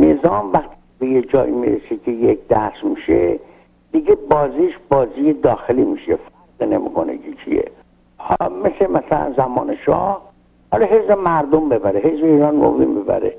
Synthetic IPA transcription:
nezɒːmvæxt̪ʰi̥ | bejed͡ʒɒːʔimḭɾesekʰejek̚ʰd̪æsmiʃe | d̪̥iɡebɒːziːʃbɒːziːjed̪ɒːxeliːmiːʃefæɾɣine̞mḭːkʰonḛkʰet͡ʃʰḭjḛ | hmesemæsælæ̰nzæmɒ̰ːneʃɒ̰ːh | hɒlɒɦe̞zbemæɾd̪ombe̞bæɾeɦezbeiːɾɑnmo̰vḭmbebæ̰ɾḛ

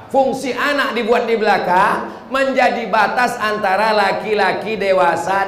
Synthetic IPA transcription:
fuŋsiʔanak̚dibuat̪̚dibəlaka | məɲd͡ʒadibat̪asant̪aɾalakilakidewasa

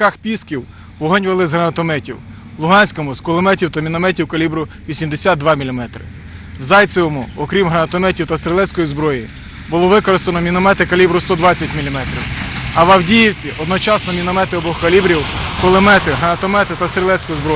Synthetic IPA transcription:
kɑxpʲiskʲiw | wɔɦɔnʲʋelˠɪzɦɾɐnɐt̪ɔmɛtʲiw | lˠʊɦɑnʲsʲkɔmʊskɔlˠɪmɛtʲiwt̪ɐmʲinɔmɛtʲiwkɐlʲibɾʊʋʲisʲimd̪esʲat̪̚d̪ʋɑmʲilʲimɛt̪ɾɪ̰ | wzɑjt̪t͡s̪ʲɔwɔmʊɔkɾʲimɦɾɐnɐt̪ɔmɛtʲiwt̪ɐst̪ɾʲɪlˠɛt͡sʲkɔjizbɾɔji | bʊlˠɔʋɪkɔɾɪst̪enɔmʲinɔmɛt̪ɪkɐlʲibɾʊst̪ɔd̪ʋɑt͡sʲːɐtʲmʲilʲimɛt̪ɾʲḭwɐʋɐwdʲijiwt͡sʲiʔɔd̪nɔt͡ʃɑsnɔmʲinɔmɛt̪ɪɔbɔhkɐlʲibɾʲiwkɔlˠemɛt̪ɪɦɾɐnɐt̪ɔmɛt̪ɪt̪ɐst̪ɾʲilˠɛt͡sʲkʊjzbɾɔ

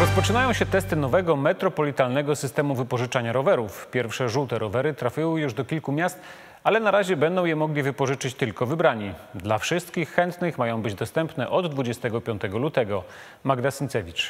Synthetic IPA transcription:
ɾɔspɔt͡ʂɘnajɔ̃w̃ɕɛt̪ɛst̪ɘnɔvɛɡɔmɛt̪ɾɔpɔlʲit̪alnɛɡɔsɘst̪ɛmuvɘpɔʐɘt͡ʂaɲaɾɔvɛɾufpʲjɛɾfʂɛʐut̪ɛɾɔvɛɾɘt̪ɾafʲiwɘjuʐd̪ɔkʲilkumʲjast̪ | alɛnaɾaʑɛbɛnd̪ɔ̃w̃jɛmɔɡlʲivɘpɔʐɘt͡ʂɘt͡ɕt̪ɘlkɔvɘbɾaɲid̪lafʂɘst̪kʲixːɛnt̪nɘxmajɔ̃w̃bɘd͡ʑd̪ɔst̪ɛmpnɛʔɔd̪ːvud͡ʑɛst̪ɛɡɔpʲjɔ̃nt̪ɛɡɔlut̪ɛɡɔ | maɡd̪asɘnt̪sɛvʲit͡ʂ

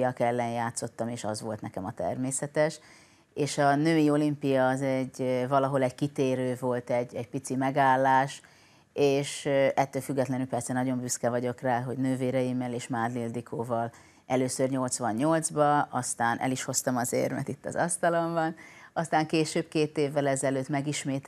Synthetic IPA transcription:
jɒkɛlːɛnjaːt̪so̞t̪ːɒmeːʃɒzʋo̞lt̪nɛkɛmɒt̪ɛ̰rmeːsɛt̪ɛʃ | eːʃɒnøːio̞limpijɒːzɛɟvɒlɒɦo̞lɛɟkit̪eːɾøːvo̞lt̪ɛɟːɛɟpit̪simɛɡaːlːaːʃ | eːʃʔɛt̪ːøːlfyɡːɛt̪lɛnylpɛrsɛnɒɟo̞mbyskɛvɒɟo̞kraːɦo̞ɟnøːveːɾɛjimːɛleːʃmaːd̪lild̪ikʰoːvɒl | ʔɛløːsørɲo̞lt̪sʋɒɲːo̞ld̪zbɒɒst̪aːnʔɛ̰liʃho̞st̪ɒmɒzḛːrmɛ̰t̪it̪ːɒ̰zɒst̪ɒlo̞mbɒnɒst̪aːŋkeːʃøːbkeːt̪eːvːɛlɛzɛløːt̪mɛɡiʃmeːt̪

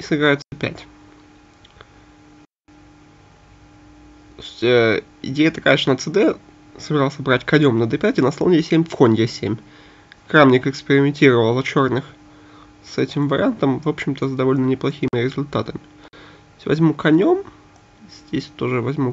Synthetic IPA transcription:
isɨbʲɪɾajʊt̪səd̪pʲæ̰tʲ | t̪osʲtʲə | ɪ̰dʲejət̪ɐkajəʂnət̪sɨd̪ɛ | səbʲɪɾɑlˠəsʲəbɾatʲkɐnʲo̞mnəd̪ɛpʲætʲɪnɐsˠovnʲesʲemʲfkonʲɡʲesʲemʲ | kɾamnʲɪkɪkspʲɪɾʲɪmʲɪnʲtʲiɾəvəlˠɐt͡ɕo̞rnɨx | sɛtʲɪmvəɾʲɪ̰ant̪əmvo̞pɕɪmt̪əzd̪ɐvo̞lʲnənʲɪplˠɐxʲimʲɪɾʲɪzʊlʲt̪at̪əmʲɪ | sʲtʲvɐ̰zʲmukɐnʲo̞m | zʲdʲesʲt̪o̞ʐɨvɐzʲmu

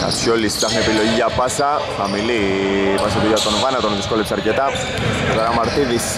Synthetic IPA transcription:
ɐ̰sçolist̪ɐxnepilo̞ʝiɐpɐsɐxɐmilipɐsɐt̪oʝat̪onvɐnɐt̪onðiskolipsɐɾcet̪ɐ | ot̪ɐɾɐmɐɾt̪iðis

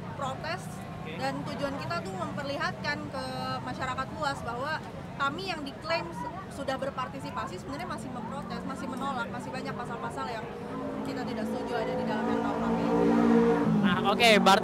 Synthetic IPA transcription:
pɾot̪ɛs | dant̪ud͡ʒuankit̪at̪uməmpərliɦat̪̚kankəmaʃaɾakat̪luasbaɦwa | kamijaŋdiklem | sudahbərpart̪isipasisəbənərɲamasɪhməmpɾot̪ɛsmasɪhmənolak̚masɪhbaɲak̚pasalpasaljaŋ | kit̪at̪idaʔsə̥t̪ud͡ʒuadadidalamjant̪aunami | nahokebaɾ

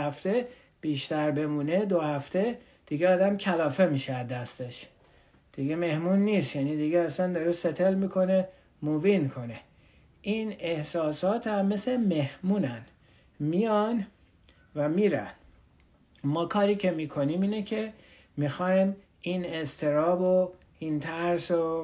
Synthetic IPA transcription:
æft̪e̞ | b̥iːʃt̪æɾbe̞muːne̞d̪ohæft̪e̞ | d̪̥iɡeɒːd̪æmcʲʰælɒːfe̞miːʃeæd̪æst̪e̞ʃ | d̪̥iɡeme̞hmunːist̪jænid̪iɟeæsænd̪ɒɾeset̪ʰe̞lmikʰo̞ne | muvinkʰo̞ne | ʔine̞hsɒːsɒːt̪ʰæmːe̞seme̞hmuːnæn | mijɒn | væmiːɾæ̰n | mɒːkʰɒːɾiːcʰe̞miːkʰo̞niːmiːnecʰe̞ | mixɒːim | ine̞st̪ʰe̞ɾɒːbo | int̪ʰæɾso

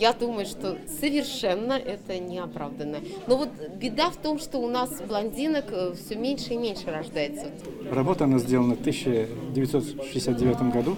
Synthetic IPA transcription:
jad̪uməjʊʂt̪o̞səvʲɪrʂɛnːəʔɛt̪ənʲɪɐpɾavd̪ənːəno̞vo̞t̪bʲɪd̪aft̪o̞mʂt̪o̞ʊnasblˠɐnʲdʲinəkfsʲomʲenʲʂɨimʲenʲʂɨɾɐʐd̪ajɪt̪sə | rɐbo̞t̪əɐnazʲdʲelˠənəft̪ɨɕːɪdʲɪvʲɪt̪so̞t̪ʂɨjʲɪsʲat̪̚dʲɪvʲat̪əmɡɐd̪u

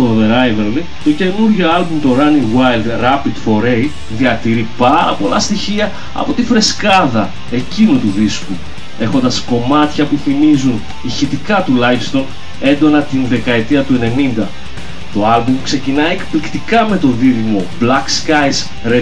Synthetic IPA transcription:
t̪oðeɾɐjveɾli | t̪o̞ce̞nuɾʝoɐlbumt̪o̞ɾɐniwɐjld̪ɾɐpid̪fo̞ɾej | ðiɐt̪iɾipɐɾɐ̰po̞lɐ̰st̪içiɐ | ɐ̰po̞t̪ifɾe̞skɐðɐ | e̞cinut̪uðisku | e̞xo̞nd̪ɐsko̞mɐt̪çɐpuθimizun | içit̪ikɐt̪ulɐifst̪o̞n | e̞nd̪o̞nɐt̪inðe̞kɐe̞t̪iɐt̪ue̞ne̞nind̪ɐ | t̪o̞ɐlbumkse̞cinɐie̞kplikt̪ikɐme̞t̪o̞ðiðimo̞blɐkskajs | ɾe

